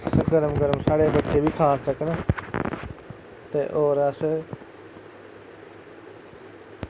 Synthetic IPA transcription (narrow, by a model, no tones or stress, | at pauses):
ɡəɾmɡəɾəmsaːɽeːbətːʃeːbʱiːkʰaːssəknaː | t̪eːʔoːɾəs